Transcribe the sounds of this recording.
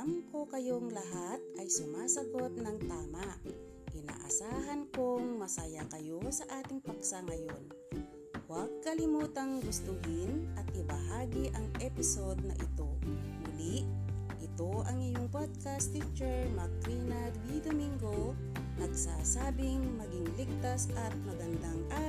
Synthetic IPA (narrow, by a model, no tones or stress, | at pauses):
amko̞kɐjoŋlɐɦat̪̚ʔɐjsʊmaːsɐɡo̞t̪̚nɐŋt̪aːmaʔ | kɪna̰ːʔɐ̰saːɦɐnkoŋmɐsajakɐjo̞sɐʔaːt̪ɪŋpɐksaŋɐjo̰n | waɡ̚kɐlɪmuːt̪aŋɡʊst̪ʊɦɪnʔɐt̪̚ʔɪbɐɦaːɡiʔɐŋʔɛpɪsod̪̚nɐ̰ʔɪt̪o̞mulɪʔ | ʔɪt̪o̞ʔɐŋɪjoŋpod̪̚kast̪it͡ʃɛɹmɐkɾinad̪wid̪omiŋɡo | nɐɡsasaːbɪŋmɐɡɪŋlɪk̚t̪asʔɐt̪̚mɐɡɐnd̪aŋʔa